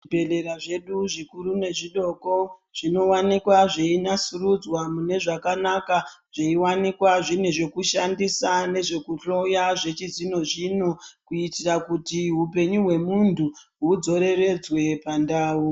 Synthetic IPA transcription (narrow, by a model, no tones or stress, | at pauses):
beleɾaʐe̞ɗuʐikuɾune̞ʐiɗo̞ko̞ʐ̥ino̞wanikwaʐeinasurud͡zwamune̞ʐakanakaʐ̥eiwanikwaʐine̞ʐe̞kuʃandisane̞ʐe̞kuɬo̞jaʐe̞t͡ʃizino̞ʐino̞kuitirakutiɦupe̞ɲuɦwe̞munduɦud͡zo̞ɾe̞re̞d͡zwe̞pandaːu